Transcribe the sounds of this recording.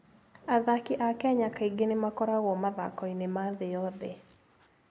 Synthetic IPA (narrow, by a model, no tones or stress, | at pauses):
aðakiʔakɛɲakaiɡenɪmakɔɾaɣɔmaða̰kɔinemaðɪɔðe